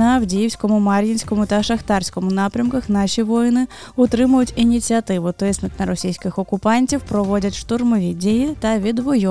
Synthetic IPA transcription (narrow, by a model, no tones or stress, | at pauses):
ɐwdʲijiwsʲkɔmʊmaɾʲjinʲsʲkɔmʊt̪ɐʃɐxt̪ɑrsʲkɔmʊnɑpɾʲɐmkɐxnɑʃʲiʋɔjnɨ | ʊt̪ɾɪmʊjʊtʲinʲit͡sʲiɐt̪ɪʋʊt̪ɪsnɪknɐɾɔsʲijsʲkɪxɔkʊpɑnʲtʲiwpɾɔʋɔdʲɐtʲʃt̪ʊrmɔʋʲidʲijit̪ɐʋʲid̪ʋɔjɔ